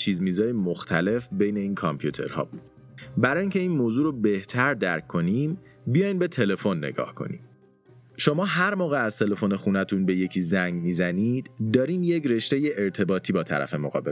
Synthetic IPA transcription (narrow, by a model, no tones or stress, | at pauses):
t͡ʃʰiːzmiːzɒːjemoxt̪ʰæle̞fbejne̞iːnkʰɒmpʰjut̪ʰe̞̰ɾhɒ̰ːbud̪̥ | bæɾɒːjiŋcʰe̞iːnmoːzuːɾobe̞ht̪ʰæɾd̪æɾkʰːo̞niːm | bijɒːjnbe̞t̪ʰe̞le̞fo̞nːe̞̰ɡɒ̰ːhkʰo̞̰nḭːm | ʃo̞mɒːɦæɾmɒːɣeæzt̪ʰe̞le̞fo̞nexuːnæt̪ʰunbe̞je̞cʰiːzæŋɡmiːzæniːd̪̥d̪ɒːɾiːmjecɾe̞ʃt̪eje̞ʔeɾt̪ʰe̞bɒːt̪ʰiːbɒːt̪ʰæ̰ɾæ̰fe̞moɣɒ̰ːbe